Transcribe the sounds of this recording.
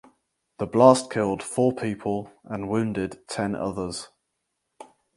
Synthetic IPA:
ðəblɑˑskʰɪlˠd̥fɔːpʰiˑpʰəlˠʔə̃nwʉ̃ːndɪdtʰɛ̃nʔʌ̰ðəz̥

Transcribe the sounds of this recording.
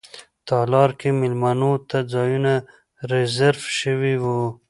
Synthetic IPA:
t̪ɑlɑɾkemɪlmanot̪ad͡zɑjuna | ɾezaɾfʃəwiwu

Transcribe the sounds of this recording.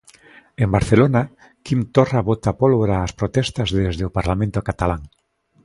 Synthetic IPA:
embaɾθelona | kimt̪oraβot̪apolβoɾaːspɾot̪ɛst̪azðezðeopaɾlamẽnt̪okat̪alaŋ

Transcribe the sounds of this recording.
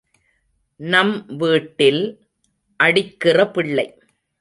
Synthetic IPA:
nɐmʋiːʈːɪl | ʔɐɽɪkːɪrɐpɪɭːɐɪ

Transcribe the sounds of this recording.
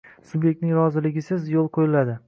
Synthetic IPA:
subjek̚t̪nɪŋɾɒzɪlɪɡʲɪsɪzjolˠqʰojɪlad̪ɪ

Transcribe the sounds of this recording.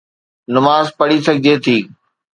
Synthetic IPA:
nɐmaːzpɐɽisɐɡʱɪd͡ʑet̪ʰiː

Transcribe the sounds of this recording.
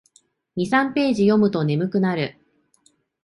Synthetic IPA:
ɲ̟isãmpe̞ːʑijo̞mɯ̟t̪o̞ne̞mɯ̟kɯ̟naɾɯ̟

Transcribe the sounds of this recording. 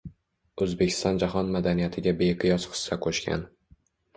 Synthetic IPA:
ɵzbekʲʰɪ̥st̪ɒnd͡ʒaɦɒnmad̪anijat̪ʰɪɡʲabejqʰɨjɒsχɨ̥sːakʰoʃkʲa̰n

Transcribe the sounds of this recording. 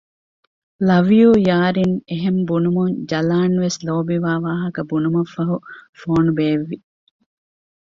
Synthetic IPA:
lɐʋijuːjaːɾineɦembunumuɲd͡ʒɐlaːnʋesloːbiʋaːʋaːɦɐkɐbunumɐfɐɦufoːnubeːʋːi

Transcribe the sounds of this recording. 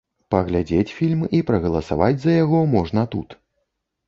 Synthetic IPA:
pɐɣlʲad͡zʲet͡sʲfʲilʲmipɾɐɣɐlˠɐsa̰vad͡zʲzɐjaɣɔmɔʐnɐt̪ṵt̪

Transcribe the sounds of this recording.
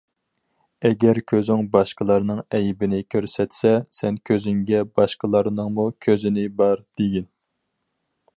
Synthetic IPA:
ɛɡʲɛɾkʲʰøzyŋbɑʃqəlˠɑɾnɨŋɛjbɪnɪkʲʰøɾsɛt̪sɛsɛnkʲʰøzyŋɡʲɛbɑʃqəlˠɑɾnɨŋmukʲʰøzɪnɪbɑɾd̪̥eɡʲin

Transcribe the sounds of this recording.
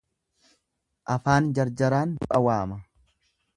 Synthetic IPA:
ʔɐfaːnd͡ʒɐɾd͡ʒɐɾaːndʊʔɐwaːmɐ

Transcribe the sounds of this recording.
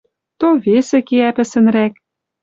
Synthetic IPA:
t̪oβesĕkeæpɘ̆sɘ̆nɾæk

